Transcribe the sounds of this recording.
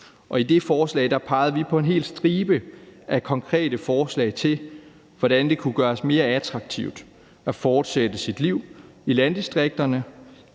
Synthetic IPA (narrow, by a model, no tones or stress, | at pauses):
ʔɒ̽id̥e̝fɒːslɛ̰ɪd̥ɑ̈pʰɑ̈ɪð̞̩ˠʋipʰɒ̽e̝nɦe̝̰ːl̥sd̥ʁiːb̥əʔækʰɒ̽ŋkʰʁɛ̰ːdəfɒːslɛ̰ɪt͡sʰe̝l | ʋɒd̥ænd̥e̝kʰuɡ̥ɶːɐsme̝ːɐæt͡sʰʁɑ̈ɡ̥̚t͡sʰiʊd̥ | æfɒːd̥sed̥əsid̥liʊ̰ilænd̥isd̥ʁeɡ̥̚d̥ɐnə